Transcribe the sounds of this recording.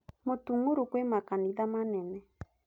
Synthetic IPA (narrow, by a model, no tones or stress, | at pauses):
motuŋuɾukwemakaniðamanɛnɛ